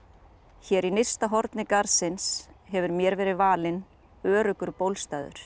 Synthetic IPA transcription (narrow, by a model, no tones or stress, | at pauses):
çɛːɾinejst̪aɦɔɾt̪nɪkaɾsɪnshɛvʏɾmjɛːɾvɛːɾɪðvaːlɪn | œːɾʏkʏɾpowlst̪aːjðʏ̰ɾ̥